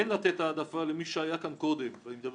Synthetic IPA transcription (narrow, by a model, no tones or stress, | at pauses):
enlat̪et̪aːd̪afalemiʃeajakanko̞d̪emvanimed̪ab